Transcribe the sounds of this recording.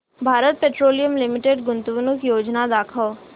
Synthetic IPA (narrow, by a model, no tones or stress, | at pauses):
bʱaːɾət̪̚peːʈɾoːlijəmlɪmɪʈeɖɡʊnt̪uʋnʊkjoːd͡ʒnad̪aːkʰəl